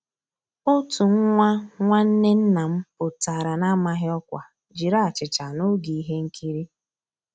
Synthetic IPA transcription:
ʊ˦tu˨ŋ̩˦ŋʷa˦ŋʷa˦n̩˦ne˦n̩˦na˨m̩˦pʊ˨ta˨ɾa˨na˦ma˦ɦɪ˦ɔ˦kʷa˨ | d͡ʒi˨ɾa˦a˨t͡ʃɪ˨t͡ʃa˨no˦ɡi˨i˦ɦe˦ŋ̩˦kʰi˦ɾi˦

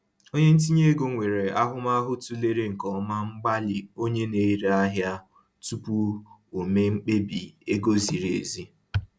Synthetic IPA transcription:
o˦ɲe˦n̩˦t̬i˦ɲe˦ɡo˨ŋʷe˨ɾe˨a˦ɦʊ˦ma˦ɦʊ˦tu˦le˦ɾe˦ŋ̩˨kɔ˨˦ma˦ŋ͡m̩˦ɡ͡ba˦lɪ˨o˦ɲe˦ne˦i˦ɾa˦ɦja˦ | tu˦pu˦o˨me˦ŋ͡m̩˦k͡pe˦bi˨e˦ɡo˦zi˨ɾḛ˨zi˦

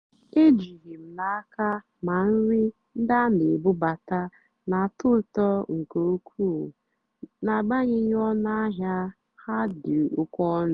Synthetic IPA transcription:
e˦d͡ʒi˨ɣi˨m̩˨na˨a˦ka˦ | ma˨n̩˦ɾɪ˦ | n̩˦da˦ne˨bʊ˦ba˨ta˦ | na˨tʊ˦˨tɔ˦ŋ̩˨ko˨˦kʰu˦˨ | na˨ɡ͡ba˦ɲɪ˦ɲ˦ɔ˦na˦ɦja˦ | ha˦dɪ˨ʊ˨kʷɔ˦n˨

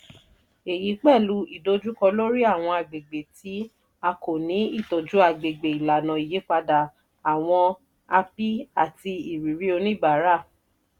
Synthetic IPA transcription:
e˨ji˨˦k͡pɛ˦˨lu˨˦i˦˨do˨˧˦d͡ʒu˦kɔ˧lo˦ɾi˦a˦˨w̃ɔ̃˧a˨ɡ͡be˨ɡ͡be˨ti˨˦ | a˧ko˨nĩ˨˦i˦˨to˨d͡ʒu˨˦a˨ɡ͡be˨ɡ͡be˨i˨la˨nã˨i˨je˨˦k͡pa˧da˨ | a˨w̃ɔ̃˧ | a˧pi˦a˦˨ti˧i˨ɾi˨ɾi˦o˧nĩ˦˨ba˨˦ɾa˦˨

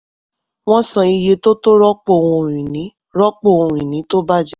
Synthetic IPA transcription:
w̃ɔ̃˦sã˧i˧je˧to˦to˦ɾɔ˦k͡po˦˨wũ˧˨ɾ̃ĩ˨nĩ˨˦ | ɾɔ˦k͡po˦˨ũ˧˨ɾ̃ĩ˨nĩ˨˦to˦ba˦d͡ʒɛ˦

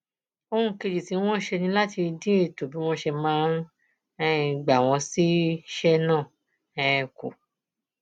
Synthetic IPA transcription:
o˧ũ˧˦ke˧d͡ʒi˨tĩ˨˦w̃ɔ̃˦ʃe˧nĩ˧˦la˦ti˧dĩ˦e˦˨to˨bi˨˦w̃ɔ̃˦ʃɛ˧mãː˨˦ | ɛ˧˦˨ɡ͡ba˨w̃ɔ̃˧si˦ʃɛ˦nãː˦˨ | ɛ˧˦˨kṵ˨

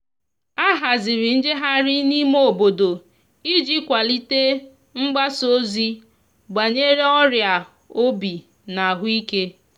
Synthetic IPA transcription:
a˦ɦa˨zɪ˨ɾɪ˨n̩˦d͡ʒe˦ɦa˦ɾi˦ni˦m˦o˦˨bo˨do˨ | i˦d͡ʒi˦kʷa˨li˦te˦ | ŋ͡m̩˦ɡ͡ba˦so˦zi˦ | ɡ͡ba˨ɲe˦ɾe˦ɔ˦ɾja˨ | o˦bi˨ | na˨ɦʊ˦i˦ke˦

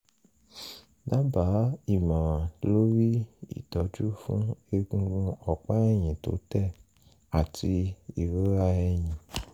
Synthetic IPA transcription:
da˦ba˨˦i˦˨mã˨lo˦ɾi˦ḭ˦˨dɔ˨˦d͡ʒu˦fṵ̃˦e˧ɡũ˧ɡũ˧ɔ˨k͡pa˦ɛ˦˨j̃ĩ˨to̰˨˦tɛ˦˨ | a˨tʰi˧i˨ɾu˦ɾa˧ɛ˧j̃ĩ˨

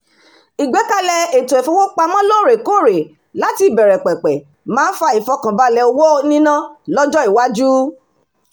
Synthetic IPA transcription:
i˨ɡ͡bɛ˨˦ka˧lɛ˧e˨to˨ɛ˨fo˧˦wo˦k͡pa˧mɔ̃˦lo˦˨ɾe˨ko˦˨ɾe˨ | la˨˦ti˦i˨bɛ˨ɾɛ˨k͡pɛ˨k͡pɛ˨ | mãː˨˦fa˧i˨fɔ˧˦kã˨ba˧lɛ˧o˧wo˦nĩ˦nã˦lɔ˦d͡ʒɔ˦i˨wa˦d͡ʒu˦

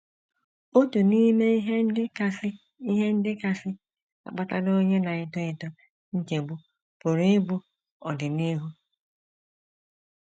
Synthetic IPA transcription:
o˦tu˨ni˦me˦ɦɪ˦a˦sɪ˦ | i˦ɦe˦n̩˦dɪ˦ka˦sɪ˦ | a̰˨k͡pa˦ta̰˦do˦ɲe˦na˨ɪ˦tɔ˦ɪ˨tɔ˦ | ŋ̩˦ke˨ɡ͡bu˦ | pʊ˨ɾɪ˦bu˦ | ɔ˨dɪ˨ni˦ɦu˦

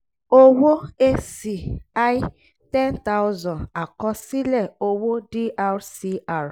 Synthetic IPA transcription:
o˦wo˦e˦si˨a˦j | tɛ˦nta˦ʊ˦zɔ̃˨na˨kɔ˦si˦lɛ˦˨o˦wo˦di˦ʔa˦ɾsi˦a˦˨ɾ

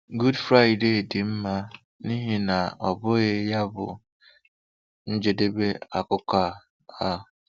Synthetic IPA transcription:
ɡu˦dfɾa˦ɪ˨de˦˨dɪ˨m̩˦ma˦ | ni˦ɦe˦na˨ɔ˨bʊ˦ɣe˦ja˦bʊ̰˨ | n̩˦d͡ʒe˨de˦be˦a˨kʊ˦ka˦˨ | a˦

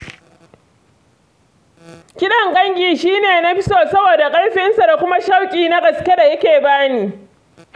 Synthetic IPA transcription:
kʲɪ˦ɗɐ˦˨ŋɡʼɐ˦ŋkʲʼiː˨ʃiː˦neː˨na˦ɸɪ˦soː˨sɐ˦boː˨da˨kʼɐ˦lɸɪ˦nsa˨da˨kʷʊ˦ma˦ʃa˦wkʲʼiː˨na˦ɡɐ˨skʲe˦da˨jɐ˦kʲeː˨baː˦niː˨

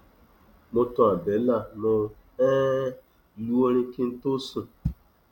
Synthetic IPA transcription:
mʊ˦tʊ˦a˨be˨˦la˦˨nʊ˨ | ɛ˦ | lu˦o˦ɾi˦kɪ˦n̩˦to˦su˦˨

